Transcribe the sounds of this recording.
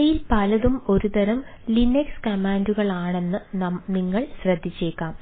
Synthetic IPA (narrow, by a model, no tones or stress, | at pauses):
jilpɐlɐðumo̞ɾud̪ɐɾɐm | linekskɐmaːnduɣɐɭaːɳe̞nːɨniŋːɐɭɕrɐd̪ʱːit͡ɕːe̞ːkːaːm